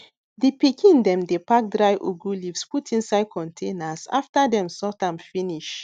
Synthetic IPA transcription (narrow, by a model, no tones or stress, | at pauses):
dipikʰĩndɛ̃mdepak̚dɹaɪʔuɡulifsputʰĩnsaɪd̚kʰɔ̃ntʰẽnasa̰ftadɛ̃msɔtãmfĩniʃ